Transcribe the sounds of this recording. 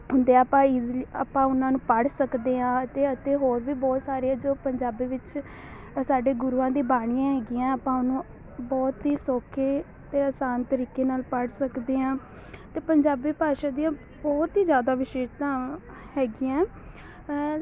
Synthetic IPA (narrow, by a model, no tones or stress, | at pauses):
ɦʊnd̪eːapãːɪzliəpãːʊnãːnũːpəɽsəkd̪eːãːət̪eːət̪eːɦoːɾʋiːbɔːt̪saːɾeãːd͡ʒoːpəɲd͡ʒaːbiːʋɪt͡ʃ | saːɖeːɡʊɾuːãːd̪iːbaːɽ̃ijãːɦɛːɡiːãːəpãːʊnũː | bɔːt̪ɦiːsɔːkʰeː | t̪eːəsaːnt̪əɾiːkeːnaːlpəɽsəkd̪eːãː | t̪eːpəɲd͡ʒaːbiːpaːʃaːd̪ijãː | bɔːt̪ɦiːd͡ʒjaːd̪aːʋɪʃeːʃt̪ãː | hɛːɡɪːãː